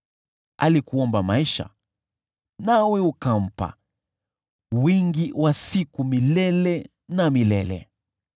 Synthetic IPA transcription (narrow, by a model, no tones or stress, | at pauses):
a̰likuɔmbamaiʃa̰ | nawɛukam̩pa̰ | wiŋɡiwasikumilɛlɛ | namilɛlɛ̰